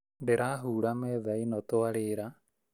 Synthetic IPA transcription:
ɖeɾaːɦuːɽameðajnɔt̪oaɽeːɾa

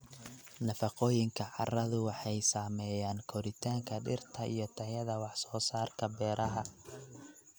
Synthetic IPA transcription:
nɐfɑqɔːjɪŋkʰɐʕɑ̰rɐðʊwɑħɑjsaːmɛːjaːnkʰɔɾɪt̪ʰaːŋkʰɐɖɪ̰rt̪ʰɐʔḭjɞt̪ʰɐjɐðɐwɑħsɔːsaːrkʰɐbɛːɾʔɐɦɐ

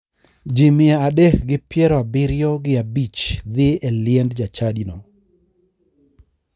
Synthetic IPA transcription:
d͡ʒimɪaːdɛkɡɪpjɛɾɔabɪɾjɔɡɪabit͡ʃd̪ɪɛlɪɛndd͡ʒat͡ʃadinɔ

